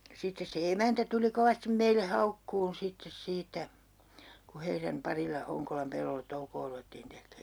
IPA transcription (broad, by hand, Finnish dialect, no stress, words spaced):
sitːes se emæntæ tuli koʋɑstim meilːe hɑukːuːn sitːes siːtæ ku heiræm pɑrilɑ hoŋkolɑm pelːolːet toukoː ruʋetːiːn tekˑeː